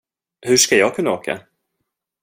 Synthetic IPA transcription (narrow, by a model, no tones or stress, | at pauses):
hɵʂkajɑːɡ̚kʰɵnːaoːkʰa̰